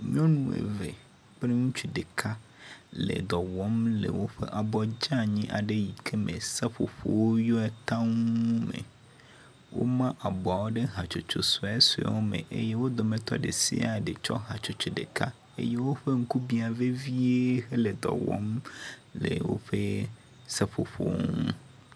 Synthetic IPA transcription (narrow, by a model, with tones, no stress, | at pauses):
ɲɔ̃˦nũ˦˨ḛ˨vḛ˨ | k͡pɾe˦ŋũ˦t͡ʃi˨ɖe˨kʰa˦ | lḛ˨d̪ɔ˨wɔ˦mlḛ˨wo˦ɸḛ˦ʔa˨bɔ˨d͡ʒa˦ɲĩ˦ʔa̰˨ɖe˦ji˨kʰe˦mẽ˨sa˦ɸo̰˨ɸo˨wo˦jɔ˦ɛ˨t̪ã˦ŋ˦ũ˦mḛ˨ | wo̰˦mã˦ʔa˨bɔ˨a˨wo˦ɖe˦ɦa˨t͡ʃo˨t͡ʃo˨su˨a˨˦su˨a̰˨˦wo˦mḛ̃˨ʔḛ˦je˦wo˦d̪o˨mẽ˨t̪ɔ̰˦ɖe˨sḭ˦a˨ɖe˨t͡ʃɔ̰˦ɦa˨t͡ʃo˨t͡ʃo˨ɖe˨ka̰˦ | ḛ˦je˦wo˦ɸe˦ŋ̩˦ku˦bi˦a˨ve˦vi˦e˦xe˦le˨d̪ɔ̰˨wɔ̰˦mlḛ˨wo̰˦ɸe˦ | se˦ɸo˨ɸo̰˦wo̰˦ŋũ˦